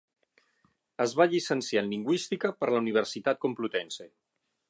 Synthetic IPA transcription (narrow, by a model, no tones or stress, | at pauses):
əzβaʎisənsjanliŋɡwist̪ikəpəɾləuniβ̞əɾsit̪at̪̚kumplut̪ɛnse